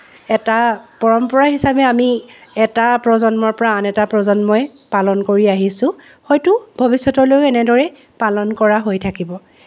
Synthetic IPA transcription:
ɛtapɔɹɔmpɔɹaɦisabɛamiɛtapɹɔzɔnmɔɹpɔɹaːnɛtapɹɔzɔnmɔɛ | palɔnkoɹiaɦisʊ̃ | xɔjtʊbʱɔbisːɔtɔɹlojɛnɛdɔɹɛ | palɔnkɔɹaɦojtʰakibɔ

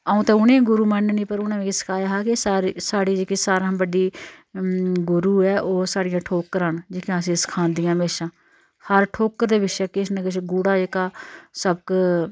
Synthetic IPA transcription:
əːũːt̪ɛ̃ːʊnẽːɡʊɾuːmənnĩːpəɾʊnãːʋẽːkisə̥kʰaːjaːɦaːkɪsaːɾsaːɽiːd͡ʒeːkiːsaːɾãːbəɖiː | ɡʊɾuːɛːʔoːsaːɽɪjãːʈʰoːkəɾãːnd͡ʒeːkãːəsĩːsə̥kʰãːnd̪ijãːmeːʃãː | həɾʈʰoːkəɾd̪eːʋɪʃɛːkɪsnəkɪʃɡuːɽaːeːkaːsəb̚k

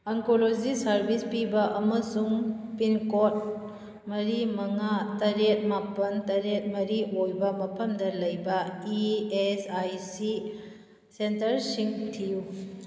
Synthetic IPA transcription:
ɐŋkolod͡ʒisɐɾbʱispibɐʔɐmɐsuŋpinkot̚ | mɐɾimɐŋatɐɾet̚mapɐntɐɾet̚mɐɾiojbɐmɐpʰɐmdɐlɐjbɐiesajsi | sentɐɾsiŋtʰiju

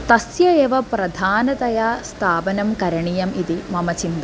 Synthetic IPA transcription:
t̪ɐsjɐeːʋɐpɾɐd̪ʱaːnɐt̪ɐjaːst̪ʰaːbɐnɐmkɐɾɐɳijɐmid̪imɐmɐt͡ɕind̪ɐ

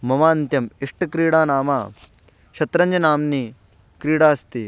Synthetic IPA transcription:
mɐmaːnt̪jɐmiʂʈɐkɾiːɽaːnaːmaː | ʃɐt̪ɾɐɲd͡ʒɐnaːmniː | kɾiːɽaːst̪iː

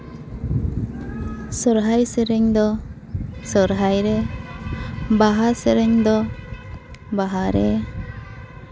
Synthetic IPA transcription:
sɔɾɦajsɛɾɛɲd̪ɔ | sɔɾɦajɾɛ | baɦasɛɾɛɲd̪ɔ | baɦaɾɛ

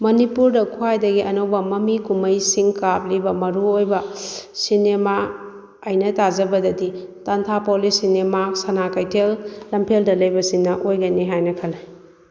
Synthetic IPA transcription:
mɐnipuɾdɐkʰuajdɐɡiʔɐnowbɐmɐmikumɐjsiŋkap̚libɐmɐɾuojbɐsinema | ɐjnɐtazɐbɐdɐditantʰapolisinemasɐnakajtʰelːɐmpʰeldɐlɐjbɐsiŋnɐʔojɡɐniɦajnɐkʰɐlaj

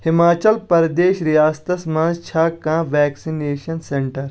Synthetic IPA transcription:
hɪmaːt͡ʃɐlpɐɾɐd̪eːʃɾijaːst̪ɐsmãːnzt͡ʃʰaːkãːʋɛːksineːʃɐnseɳʈɐɾ

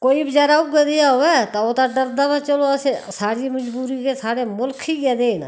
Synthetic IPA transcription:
koːiːbɪd͡ʒaɾaʊpɡəd̪ejaɦoɛːt̪aot̪aɖəɾd̪amãt͡ʃəloəsesaːɽiːməd͡ʒbuːɾikesaːɽemʊlkʰikɛːd̪eːn

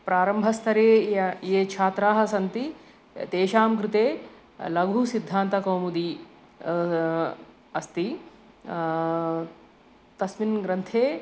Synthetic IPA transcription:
pɾaːɾɐmbʱɐst̪ʰɐɾeːjeːt͡ʃʰaːt̪ɾaːɦɐsɐnt̪i | t̪eːʃaːmkɾɪt̪eː | lɐɡʱusid̪ʱːaːnt̪ɐkoːmud̪i | ɐst̪i | t̪ɐsminɡɾɐnt̪ʰeː

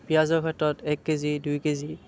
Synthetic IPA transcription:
piazɔɹkʰɛtːɔtɛkːezidujkezi

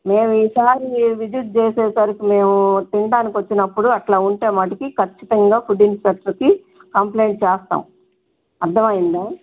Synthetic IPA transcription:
me̞ːmiːsaːɾiʋid͡ʒut̪̚t͡ʃeːseːsaɾikime̞ːmut̪iɳɖaːnikʲʋɐt͡ʃːinɐpːuɽuɐʈlaːuɳʈeːmɐːʈɐkikɐt͡ʃːit̪ɐŋɡaːpuɖinsɾɐt̪ɾɐki | kɐmple̞ːɳʈ̚t͡ʃeːst̪a̰ːm | ɐɾd̪ʱɐmɐjind̪aː

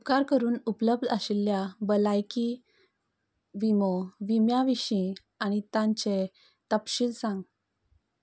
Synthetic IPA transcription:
upkaɾkəɾuːnupləb̚d̪ʱəɕilːjabəlajki | ʋimoʋimjaʋiɕĩ | añit̪ãɲt͡ɕe | t̪əpɕiːlsãŋɡ

